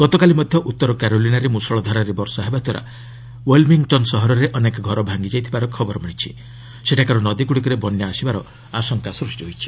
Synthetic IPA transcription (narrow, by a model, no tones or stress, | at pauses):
ɡ̥ɔt̪ɔkalimɔd̪ʱjɔʔut̪ːɔɾɔkaɾolinaɾemusɔɭɔd̪ʱaɾaɾebɔɾsɔɦebat̪waɾa̰ | welmiŋɡʈɔnsɔɦɔɾɔɾeʔɔnekɔɡʱɔɾɔbʱaŋɡid͡ʒajt̪ʰibaɾɔkʰɔbɔɾɔmʱiɽ̃it͡ʃʰḭ | seʈakaɾɔnɔd̪ikuɽikɔɾebɔnjaasibaɾɔ | asɔŋkasɾusʈiɦojt͡ʃʰi̥